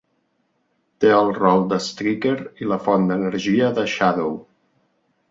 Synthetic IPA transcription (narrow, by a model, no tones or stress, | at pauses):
t̪eəlˠrɔlˠd̪əst̪ɾikeɾiləfɔnd̪ənəɾʒiəðəʃaðow